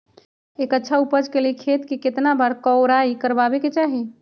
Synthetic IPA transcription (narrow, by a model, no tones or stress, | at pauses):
ekətːʃʰaupəd͡ʒkelekʰet̪keket̪nabaɾkəʊɾaikəɾbabeket͡ʃaɦi